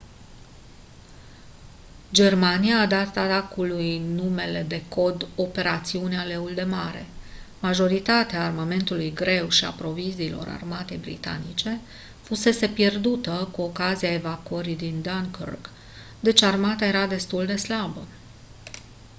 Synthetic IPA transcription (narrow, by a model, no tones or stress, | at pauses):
d͡ʒe̞rmanijaːd̪at̪at̪akulujnume̞le̞d̪e̞ko̞d̪o̞pe̞ɾat̪siuneale̞uld̪e̞maɾe̞̰maʒo̞ɾit̪at̪eaːrmame̞nt̪ulujɡɾe̞wʃia̰pɾo̞viziːlo̞̰ɾa̰rmat̪e̞̰jbɾḭt̪a̰nit͡ʃe̞ | fuse̞se̞pje̞rd̪ut̪əkuo̞kaziae̞vakuəɾid̪ind̪aŋko̰rɡ | d̪e̞t͡ʃarmat̪aje̞ɾad̪e̞st̪uld̪e̞slabə